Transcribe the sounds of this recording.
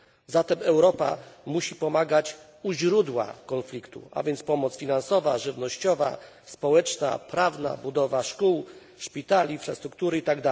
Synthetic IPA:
zat̪ɛmɛwɾɔpa̰muɕipɔmaɡat͡ɕ | uʑɾud̪wa̰kɔnflʲikt̪ṵa̰vʲjɛnt̪spɔmɔt̪sfʲinansɔvaʐɘvnɔɕt͡ɕɔva̰ | spɔwɛt͡ʂna̰pɾavna̰bud̪ɔvaʂkuw | ʂpʲit̪alinfɾa̰st̪ɾuk̚t̪uɾɘit̪aɡd̪a

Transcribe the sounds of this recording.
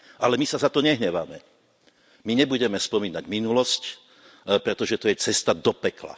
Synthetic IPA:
alɛmisazat̪ɔɲɛɦɲɛʋamɛ | miɲɛbuɟɛmɛspɔmiːnaɟminulɔsc | pɾɛt̪ɔʒɛt̪ɔjɛt͡sɛst̪ad̪ɔpɛkla̰

